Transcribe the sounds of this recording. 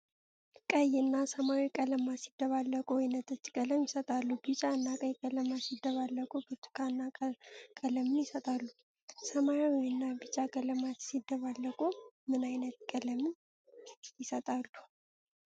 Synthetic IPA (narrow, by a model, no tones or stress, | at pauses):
kʼəjɨnːasəmawikʼələmasid̪ːəβalːəkʼuɪnət̪ʼət͡ʃːkʼələmjɪsət̪ʼalːubɨt͡ʃʼaɨnːakʼəjkʼələmasid̪ːəβalːəkʼukʰɨt̪ʰːu̥kʰanːakʼələmɨnjɪsət̪ʼalːu | səmawɨnːabɨt͡ʃʼakʼələmasid̪ːəβalːəkʼumɨnajnət̪kʼələmɨn | jɪsət̪ʼalːu